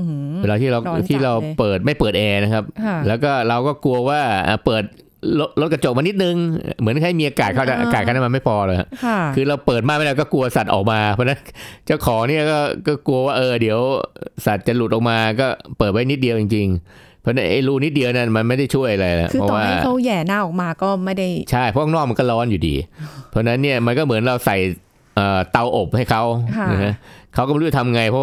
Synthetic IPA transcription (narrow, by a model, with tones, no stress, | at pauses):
ɾa˧t̪ʰiː˥˩a˧wt̪ʰiː˥˩ɾa˧wpɤː˨˩t̪̚ma˥˩jpɤː˨˩t̪̚ʔɛː˧na˦˥kʰa˦˥p̚lɛː˦˥wkɔː˥˩ɾa˧wkɔː˥˩ku˧ɐwaː˥˩ʔa̰ː˨˩pɤː˨˩t̪̚ | lo˦˥t̪̚lo˦˥t̪̚k̚a˧t͡ɕo˨˩k̚ma˧ni˦˥t̪̚nɯ˧ŋ̰˧˩mɯ˩˦ənkʰa˧˥˩miː˧ʔaː˧kaː˨t̪̚kʰa˥˩t͡ɕa˨˩ʔaː˧kaː˨t̪̚ʰa˥˩na˥˩ma˧ma˥˩jpʰɔː˧lɤː˧jha̰˨˩kʰɯː˧ɾa˧wpɤː˨˩t̪̚maː˥˩ma˥˩ɾɛ˧˩kɔː˥˩ku˧ɐsa˨˩t̪̚ʔɔː˨˩k̚maː˧pʰɔː˧˥na˦˥nt͡ɕaː˥˩wkʰɔː˩˦ŋni˥˩ɐkɔː˥˩kɔː˥˩ku˧ɐ˧waː˥˩ʔɤː˧di˩˦əwsa˨˩t̪̚t͡ɕa˨˩lu˨˩t̪ʔɔː˨˩kmaː˧kɔː˥˩pɤː˨˩t̪̚wa˦˥jni˦˥t̪̚di˧əwt͡ɕi˧ŋt͡ɕi˧ŋ | pʰɔ˥˧na˦˥ʔa˥˩jɾuː˧˩ni˦˥t̪̚di˧ə˧wna˦˥˩nma˧nma˥˩jda˥˩jt͡ɕʰu˥˩əjʔa˧ɾa˧jlɛ̰˨˩ʔpːʰɔ˦˧waaː˥˩˥a˦˥˩jɛː˨˩naː˥˩˨ʔɔː˨˩k̚maː˧kɔː˥˩ma˥˩jda˥˩jt͡ɕʰa˥˩jpʰɔ˦˥˩nɔː˥˩k̚ma˧kɔ˥˩lɔː˦˥njuː˨˩dḭː˧pʰːna˦˥nːi˥˩ɐma˧nkɔː˥˩mɯ˩˦nɾa˧wsa˨˩j | ʔəː˨˩t̪a˧wʔo˨˩p̚ha˥˩jkʰa˦˥wna˦˧ka˦˥kʰa˦˥wkɔː˥˩˧a˨˩t̪ʰa˧m˧ŋa˧jpʰɔ˦˥